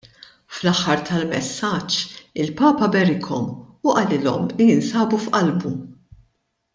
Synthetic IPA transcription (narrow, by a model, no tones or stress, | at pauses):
flɐħːɐɾt̪ɐlmɛsːɐt͡ʃːɪlpɐːpɐbɛɾɪkʰɔmʊʔɐlɪlɔ̰mlijɪnsɐːbufʔɐlbu